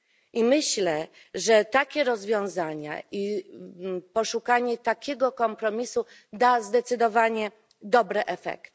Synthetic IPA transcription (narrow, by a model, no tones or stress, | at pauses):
ʔimɘɕlɛ | ʐɛt̪akʲɛɾɔzvʲjɔ̃w̃zaɲa̰ʔi | pɔʂukaɲɛt̪akʲɛɡɔkɔmpɾɔmʲisu | d̪azd̪ɛt̪sɘd̪ɔvaɲɛ | d̪ɔbɾɛʔɛfɛ̰kt̪